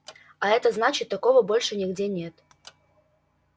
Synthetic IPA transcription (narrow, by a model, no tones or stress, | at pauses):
aɛt̪əznat͡ɕɪt̪ːɐko̞vəbo̞lʲʂɨnʲɪɡdʲenʲe̞t̪